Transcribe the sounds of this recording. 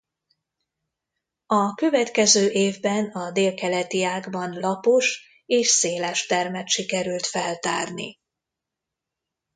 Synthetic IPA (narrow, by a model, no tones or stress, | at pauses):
ɒkø̞vɛt̪kɛzøːʔeːvbɛnɒd̪eːlkɛlɛt̪iaːɡbɒnlɒpo̞ʃ | eːʃseːlɛʃt̪ɛrmɛt̪ʃikɛɾylt̪fɛlt̪a̰ːrnḭ